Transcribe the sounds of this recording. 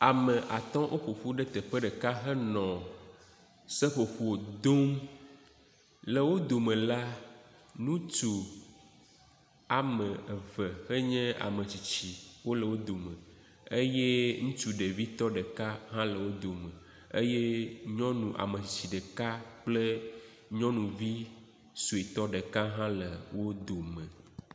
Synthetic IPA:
a˨mə̃˨ʔa˨t̪ɔ̃˦ʔo˦ɸo˨ɸu˦ɖe˦t̪ɛ˨ɸɛ˦ɖə˨ka˦ɦɛ˦nɔ̃˨ | se˦ɸo˨ɸu˦wo˨d̪o˦m | lə˨wo˦d̪o˨mẽ˨la˦ | nũ˦t͡ʃu˨ | a˨mə̃˨ə˨və˨xə˦ɲɛ̃˦a̰˨mə̃˨t͡ɕi˨t͡ɕi˨wo˦lə˨wo˦d̪o˨mə̃˨ | e˦je˦ŋũ˦t͡ʃu˦ɖe˨vi˦t̪ɔ˦ɖə˨ka˦ɦã˦lə˨wo˦d̪o˨mə̃˨ | e˦je˦ɲɔ̃˦nũ˨ʔa̰˨mə̃˨t͡ɕi˨t͡ɕi˨ɖə˨ka˦k͡plə˦ | ɲɔ̃˦nũ˨vi˦ | su˨e˨t̪ɔ˦ɖe˨ka˦ɦã˦lə˨wo˦d̪o˨mə̃˨

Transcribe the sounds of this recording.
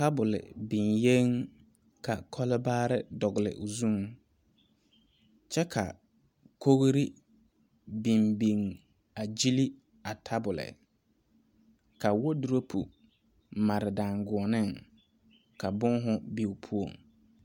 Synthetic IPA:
ta˦bʊ˨lɪ̰˨bi˨nje˦ŋ | ka˨kʰɔ˦lɪ˦baː˦ɾɪ˦dɔ˨ɣʊ˨lɪ̰˨ʔʊ˨zu˦ŋ | t͡ʃɛ˦kʰa̰˨ | kʰo˦ɣɾi˦ | bi˨mbi˨ŋ | a˨d͡ʒi˦li˦ | a˨tʰa˦bʊ˨lɪ̰˨ | ka˨wo˦du˨ɾo˦pʰṵ˨ | ma˨ɾɪ˨da˨ŋɡʊ˨ɔ˨nɪ˦˨ŋ | ka˨bʊ˦ŋɦʊ˦bi˦˨u˨pʰu˦o̰˨ŋ

